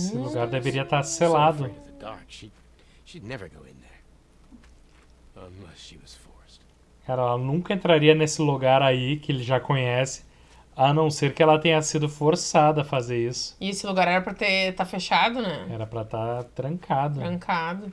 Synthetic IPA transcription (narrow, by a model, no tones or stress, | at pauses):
sɪluɡaɾd̪eveɾiɐt̪aɾselad̪ʊðɨdɑ̰ɹkʃi | ʃidnɛvə̰˞ɡoʊɪ̰̃nðə˞ | amʌʃiwʌz̥fɔɹst | kaɾɐɛlɐnũŋkɐẽnt̪ɾaɾiɐnesɪluɡaɾaikɪelɪʒakõɲɛsɪ̥ | anɐ̃w̃seɾkɪɛlɐt̪ẽɲɐsid̪ʊfoɾsad̪ɐːfazeɾisʊ̥ɪesɪluɡaɾɛɾɐpɾɐt̪et̪afeʃad̪ʊnɛ̃ɛɾɐpɾɐt̪at̪ɾɐ̃kʰad̪ʊɾɐ̃ŋkʰad̪ʊ